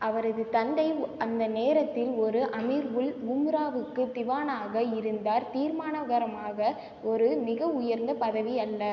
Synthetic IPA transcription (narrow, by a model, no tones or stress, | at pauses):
ʔɐʋɐɾɐðɯt̪ɐnd̪ɐɪɐnd̪ɐneːɾɐt̪ːɪlɔɾɯʔɐmiɾʋɯlɡʊmɾaːʋɯkːɯt̪ɪʋaːnaːɣɐɪɾɯnd̪aːɾt̪iːɾmaːnɐɣɐɾɐmaːɣɐ | ɔɾɯmɪɣɐʊjɐɾnd̪ɐpɐðɐʋiɐlːɐ